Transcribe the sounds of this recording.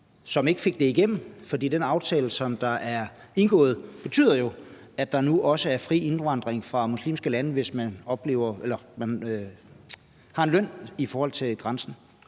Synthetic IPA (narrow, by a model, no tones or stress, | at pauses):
sɒ̽me̝ɡ̥əfe̝ɡ̥̚d̥e̝iɡ̥em̰m̩fɒd̥ḭːd̥enɑ̈ʊt͡sʰɛ̰ːləsɒ̽md̥ɑ̈ʔæɐ | e̝nɡ̥ɔ̰̽ːð̞̩ˠb̥e̝t͡sʰy̰ːð̰ˠɐjo̝ | æ̥ɑ̈nuʔɒ̽səæɐfʁḭːe̝nʋɑ̈n̰d̥ʁeŋfʁɑ̈muslḭːmsɡ̥əlænəʋe̝smænɒ̽b̥le̝̰ːʊ̰ɐelɐmænø | hɑ̈e̝nløn̰ifɒːhɒ̽l̰t͡sʰe̝lɡ̥ʁansn̩